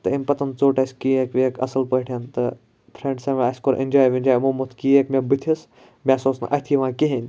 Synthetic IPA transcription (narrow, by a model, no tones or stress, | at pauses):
t̪ɨimʲpɐt̪ɐnt͡soːʈɐsʲkiekʋekʰɐ̰sɐlpəɦʈʰʲjant̪ɨ | pʰɾẽːɳɖsɐ̃ʋeɐsʲkoɾʔḭnʲd͡ʒaːjʋĩnʲd͡ʒaːjmomot̪ʰkieːkmʲebɨt̪ʰis | mʲasoːsn̰ʔɐ̰t̪ʰiʋãːkiɦenʲ